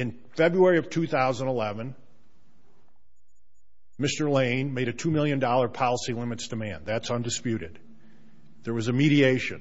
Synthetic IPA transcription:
ɨ̃n | fɛbɹuɛɹiʌv̥tʰʉθaʊzə̃n̩əlɛvɨ̃n | mɪstə˞lẽɪ̃nmeɪɾɨtʰʉmɪlˠjɨ̃ndɔlˠə˞pʰɑlˠəsilɪ̃mɨtsd̥ɨmæ̃nðætsʌ̃ndɨspjʉɾɨd̪̚ | ðə˞wʌzɨmiɾieɪʃɨ̰̃n

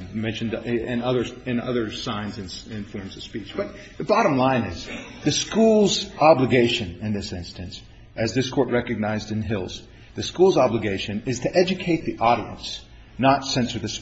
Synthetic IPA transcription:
mɛ̃nʃɨ̃ndɨ̃nʌðə˞ɨ̃nʌ̰ðə˞sãɪ̃nzɨ̃nɨ̃nfɔɹmzʌv̥spit͡ʃb̥ʌt̪̚ | ðɨbɑɾə̃mlãɪ̃nɪzðɨskulˠzɑbləɡeɪʃɨ̃nɨ̃nðɪsɪ̃nstɨ̃ns | ʔɨzðɪskʰɔɹʔ̚ɹɛkɨɡ̚naɪzdɨ̃nɦɪlˠz̥ | ðɨskulˠzɑbləɡeɪʃɨ̃nɨz̥tʰɨʔɛd͡ʒɨkʰeɪt̪̚ðiʔɔɾiɨ̰̃ns | nətsɛ̃nsə˞ðɨs

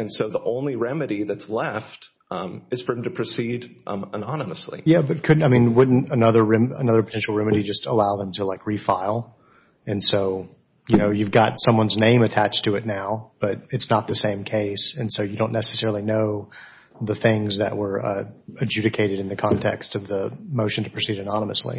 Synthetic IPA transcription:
ɨ̃nsoʊðiʔõʊ̃nliɹɛmɨɾiðɨtslɛft | ɨz̥fə˞ɨ̃m̩tɨpʰɹ̥ɨsiɾənɑnəməslḭjæbʌt̚kʰʊdⁿn̩aɪmĩnwʊdⁿn̩tɨnʌðə˞ɹɛmə̰nʌðə˞pʰətʰɛ̃nʃl̩ˠɹɛmɨɾid͡ʒʌstəlaʊðə̃mtʰəlaɪkɹifaɪlˠ | ɨ̃nsoʊ | jɨnoʊjʉvɡɑtsʌ̃mwʌ̃nznẽɪ̃mɨtʰæt͡ʃtʰɨɨtⁿnaʊb̥ʌɾɨtsnət̪̚ðɨsẽɪ̃mkʰeɪsɨ̃nsoʊjɨdõʊ̃nːɛsɨ̥sɛɹl̩ˠinoʊ | ðɨθɪ̃ŋzðɨ̰ʔ̚wə˞ʌɨd͡ʒʉɾɨkʰeɪɾɨɾɨ̃nðɨkʰɑ̃ntʰɛ̰kstʌvðəmoʊʃɨ̃n̩tʰɨ̥pʰɹ̥ɨsiɾɨnɑnəmə̰slḭ

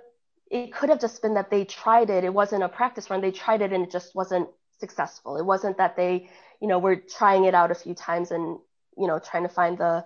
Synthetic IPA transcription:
ʔɪt̚kʰʊɾɨvd͡ʒʌsb̥ɨ̃nðɨt̪̚ðeɪtʰɹ̥aɪɾɪɾɨt̚wʌzɨ̃ñəpʰɹ̥æk̚tɨswʌ̃nðeɪtʰɹ̥aɪɾɨɾɨ̃nɨt̚d̥ʒ̥ʌst̚wʌzɨ̃nt̚ | sɨksɛsfl̩ˠət̚wʌzɨ̃nðɨt̪̚ðeɪ | jɨnoʊwə˞tʰɹ̥aɪɪ̃ŋɨɾaʊɾɨfjʉtʰãɪ̃mzɨ̃n | jɨñoʊtʰɹ̥aɪɪ̃ŋtʰɨfãɪ̃nðə

